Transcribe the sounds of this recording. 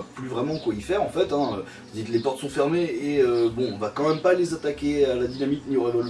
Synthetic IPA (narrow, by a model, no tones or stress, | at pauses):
plyvʁɛmɑ̃kwaifɛʁɑ̃fɛt̪ɛ̃ø | ʒd̪iklepɔʁt̪sɔ̃fɛʁmeeøbɔ̃ɔ̃vakɑ̃mɛmpalezat̪akʲealad̪inamiknioʁɛvɔl